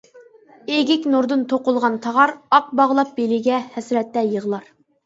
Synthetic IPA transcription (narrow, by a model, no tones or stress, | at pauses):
eɡʲɪkʲnuɾd̪ɨnt̪ʰoqʊlˠʁɑnt̪ʰɑʁɑɾɑq̚bɑʁlˠɑp̚belɪɡʲɛhɛsɾɛt̪ːɛjəʁlˠɑɾ